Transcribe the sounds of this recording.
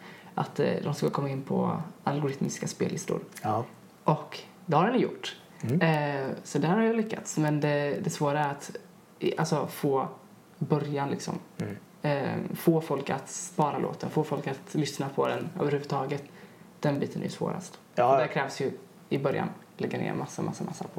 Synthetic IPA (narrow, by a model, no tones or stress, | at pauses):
ʔat̪d̪ɔmskakʰɔmːaɪnːpʰɔ̰alɡʊɾɪt̪mɪskaspḛːlːɪst̪ʊ̰ɾ | ʔɔk | d̪ɛhaɾɖɛnjjʊ̰ʈː | sɔd̪ɛæɾhaɾjalʏkːa̰t̪smɛnd̪ɛd̪ɛsvoːɾaæɾat̪ | ʔalsɔfoː | bœɾjanlɪksɔ̰m | foːfɔlka̰t̪spɑːɾalo̰ːt̪ənfoːfɔlkat̪lʏsnapʰɔd̪ɛnø̰ːvəɾhʉːvə̥t̪ʰɑːɡət̪d̪̥ɛnbiːt̪ənæ̰jɵsvo̰ːɾa̰st̪ | d̪æɾkʰɾɛːvsjɵ | ɪbœɾja̰n | lɛɡːanḛːɾmasːamasːamasːa̰pʰɔ